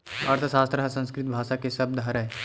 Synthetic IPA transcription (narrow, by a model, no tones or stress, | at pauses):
ɐɾt̪ʰəsaːst̪ɾəɦəsə̃nskɾɪt̪̚bʱaːʃakesɐb̚d̪ʱɦɐɾɦɛ